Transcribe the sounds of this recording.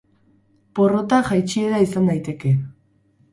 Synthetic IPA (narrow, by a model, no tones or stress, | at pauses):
po̞rot̪axajt͡ʃieðaisandajt̪e̞ke̞